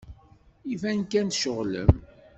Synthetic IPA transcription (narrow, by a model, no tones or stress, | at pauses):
ivænkænt̪ʃəʁlə̰m